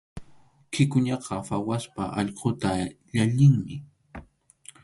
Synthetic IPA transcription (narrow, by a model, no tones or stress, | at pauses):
kʰɪkʊɲɑqʰɑfawaspaʔɑʎqot̪aʎaʎɪŋmɪ